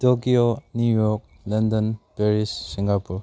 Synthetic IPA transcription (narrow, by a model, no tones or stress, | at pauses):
tokionjujɔɾk̚ | lɐndɔnpeɾisːiŋɡapuɾ